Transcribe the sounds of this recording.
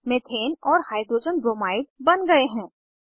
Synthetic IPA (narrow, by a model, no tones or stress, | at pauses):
met̪ʰeːnɔːɾhaːɪd̪ɾoːd͡ʒənbɾoːmaːɪʈ̚bɐnɡɐeɦɛ̃ː